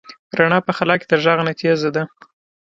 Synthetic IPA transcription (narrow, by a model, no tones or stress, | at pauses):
ɾaɳɑpəxalɑke̥d̪əʒɑɣnat̪iazad̪a